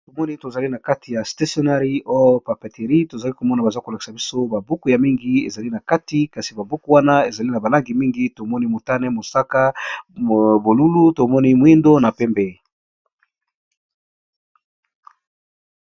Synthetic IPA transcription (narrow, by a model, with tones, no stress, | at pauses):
to˨mɔ˦ni˦to˨za˨li˦na˨ka˦ti˨ja˨sta˦sjo˨˦na˦ʁi˦ʔo˦jo˦pa˨pe˨te˨ʁi˦to˨za˨li˦ko˨mɔ˦na˨ba˨za˦ko˨la˨ki̥˨sa˨bi˦so˦ba˨bu˦ku˨ja˨mi˦ŋɡi˦e˨za˨li˦na˨ka˦ti˨ka˨si˨ba˨bu˦ku˨˦wa˦na˦e˨za˨li˦na˨ba˨la˦ŋɡi˨mi˦ŋɡi˦to˨mɔ˦ni˦mo˨ta˦nɛ˦mo˨sa˦ka˦ | bo˨lu˦lu˦to˨mɔ˦ni˦mwi˦ndo˦na˨pɛ˦mbɛ˦